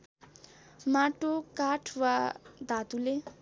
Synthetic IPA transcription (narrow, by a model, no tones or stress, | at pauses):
maʈokaʈʰwad̪ʱat̪ule